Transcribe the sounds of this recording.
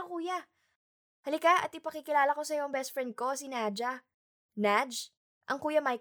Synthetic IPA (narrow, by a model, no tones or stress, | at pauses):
kuːjɐ | hɐlɪkaʔɐ̰t̪ɪpɐkikɪlaːlɐko̞sɐjoŋbɛst̪̚fɹɛnd̪̚ko̞sɪnad͡ʒɐ | nad͡ʒ | ʔɐŋkuːjɐmaj